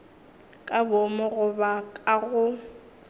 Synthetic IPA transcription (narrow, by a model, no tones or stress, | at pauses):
kʼabomɔɣʊbakʼaɣʊ